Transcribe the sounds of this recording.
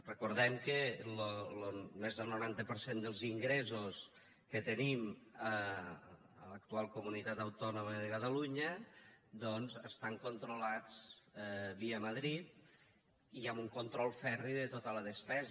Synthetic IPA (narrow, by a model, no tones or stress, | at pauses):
rəkuɾðɛmkəlolomezðəlˠnoɾant̪əpəɾsend̪əlˠziŋɡɾɛzos | kət̪ənimə | ə̰lək̚t̪ualˠkumunit̪at̪əwt̪ɔnoməðəkat̪əluɲəd̪ɔnzəst̪aŋkont̪ɾolad͡z | βiəməðɾit̪̚ | iamuŋkont̪ɾɔlˠfɛriðət̪ot̪ələðəspɛz